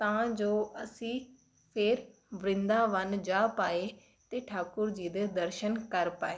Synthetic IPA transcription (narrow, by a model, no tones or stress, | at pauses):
t̪ãːd͡ʒoːəsĩː | pʰɪɾ | ʋɾɪ̃nd̪aːʋənd͡ʒaːpaːeː | t̪eːʈʰaːkʊɾd͡ʒiːd̪ed̪əɾʃənkəɾpaːeː